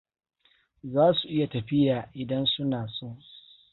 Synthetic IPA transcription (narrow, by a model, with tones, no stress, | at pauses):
zaː˦su˨ʔɪ˦ja˨tɐ˨ɸɪ˦jaː˨ʔɪ˨dɐ˦nsʊ˦naː˨so˦˨